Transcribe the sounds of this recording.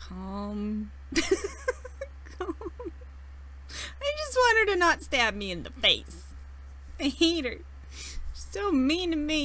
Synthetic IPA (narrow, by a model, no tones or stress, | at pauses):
kʰʌ̃m | kʰʌm | aɪd͡ʒʌst̚wɑ̃nə˞ɾɨnətstæp̚miɨ̃nðə̰feɪs | eɪeɪɾə˞d̚ | soʊmĩnɨmi